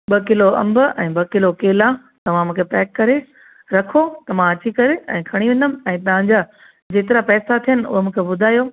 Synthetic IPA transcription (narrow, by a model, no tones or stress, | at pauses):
ɓɐkɪloɐ̰̃mbʊɛ̃ːɓɐkɪlokeːlã | t̪ɐʋ̤ãmũːkʰepɛːkːɐɾe | ɾɐkʰot̪ɐmãɐt͡ɕikɐɾeɛ̰̃ːkʰɐɽ̃iʋɪ̃ːnd̪əm̆ɛ̃ːt̪ɐɦãɲd͡ʑaː | d͡ʑeːt̪ɪɾapɛːsat̪ʰijənɪ̆ʊ̰ɦomũːkʰebʊd̪ʱaːjoː